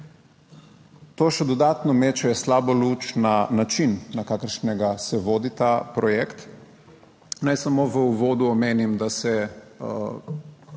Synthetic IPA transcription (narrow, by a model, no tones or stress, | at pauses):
t̪oːʃɛd̪ɔd̪aːt̪nɔmeːt͡ʃɛjɛslaːbɔluːt͡ʃnanat͡ʃinːakaːkəɾʃnɛɡasɛʋoːd̪it̪apɾɔjɛkt̪ | najsamoːʋəuʋoːd̪uɔmeːnimd̪asɛ